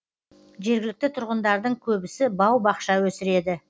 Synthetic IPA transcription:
ʒe̞ɾɡʲɪlɪk̚t̪ɪt̪ʰʊɾʁənd̪ɑɾd̪əɴkʲʰɵbɪsɪbɑwbɑqʃɑwɵsɪɾe̞d̪ɪ

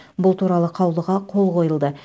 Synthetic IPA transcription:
bʊlˠt̪uɾɑlˠəqʰɑwlˠəʁɑqʰo̞lˠqʰo̞jəlˠd̪ə

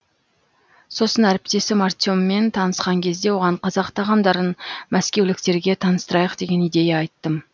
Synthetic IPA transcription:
so̞sənæɾɪp̚t̪e̞sɪmart̪jomːe̞nt̪ʰɑnəsqɑŋkʲʰe̞zd̪e̞wo̞ʁɑɴqʰɑzɑqt̪ʰɑʁɑmd̪ɑɾənmæskʲe̞wlɪk̚t̪e̞ɾɡʲe̞t̪ʰɑnəst̪əɾɑjəqd̪e̞ɡʲe̞nijd̪e̞jɑɑjt̪ːəm

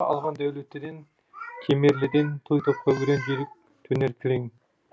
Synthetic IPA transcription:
ɑ̰lˠʁɑnd̪æwlet̪ːed̪en | kʲʰemeɾlɪd̪ent̪ʰujt̪ʰop̚qɑwɪɾenbeɾɪp̚ | t̪ʰɵneɾkʲʰɪɾeŋ

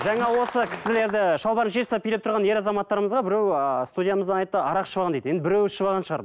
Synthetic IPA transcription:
ʒɑɴɑwo̞səkʲʰɪ̥sɪle̞ɾd̪ɪʃɑlˠbɑɾənʒet̪sɑpʰːijlɪp̚t̪ʰɾʁɑnje̞ɾɑzɑmɑt̪ːɑɾəməzʁɑbɪɾewst̪ud̪ʲijaməzd̪ɑnɑjt̪ːəʔɑɾɑqʃəbɑʁɑnd̪ejd̪jenɪbɪɾewsʃəbɑʁɑnʃəʁɑɾ

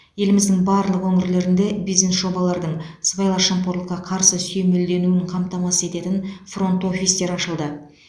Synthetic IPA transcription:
je̞lɪmɪzd̪ɪŋbɑɾlˠəqwɵŋɪɾle̞ɾɪnd̪e̞bijzne̞sʒo̞bɑlˠɑɾd̪əɴsbɑjlˠɑʃɑmpo̞ɾlˠəqːɑqʰɑɾsəsɵjmeld̪e̞nuɪɴqʰɑmt̪ɑmɑsəe̞t̪e̞t̪ɪnfro̞nt̪o̞fʲist̪e̞ɾɑʃəlˠd̪ə

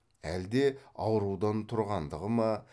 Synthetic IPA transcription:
æld̪e̞ɑwɾuwd̪ɑnt̪ʰʊɾʁɑnd̪əʁəmɑ

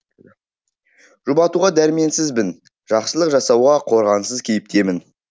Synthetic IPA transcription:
ʒ̥ʊbɑt̪uʁɑd̪æɾɪme̞nsɪzbɪn | ʒ̥ɑqsəlˠəqʒɑsɑwʁɑqʰo̞ɾʁɑnsəzkʲʰe̞jɪp̚t̪e̞mɪn

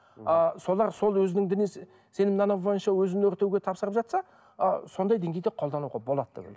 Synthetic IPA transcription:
əso̞lˠɑɾso̞lˠwɵzɪnɪŋd̪ɪnes | se̞nɪmnɑnɑbojənʃɑwɵzɪnɵɾt̪ewɡʲe̞t̪ʰɑpsəɾəpʒɑt̪sɑ̰ | so̞nd̪ɑjd̪e̞ŋɡʲejd̪e̞qʰold̪ɑnuʁɑbo̞lˠɑd̪əd̪ḛbʲɪ̰l

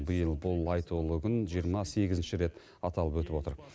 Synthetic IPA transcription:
bəjəlˠbʊlˠɑjt̪ʰulˠəɡənʒijəɾmɑse̞ɡʲɪzɪnʃɪɾe̞t̪ | ɑt̪ɑlˠəpwɵt̪ɪpo̞t̪əɾ

